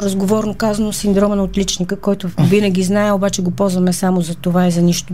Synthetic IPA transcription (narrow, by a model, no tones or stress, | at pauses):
ɾɐzɡovɔɾnokazɐnosind̪ɾɔmənɐot̪lit͡ʃnikəkɔjt̪ʊvinəɡʲiznaɛobat͡ʃɛɡopɔzvɐmɛsamozɐt̪ovaizɐniʃt̪ʊ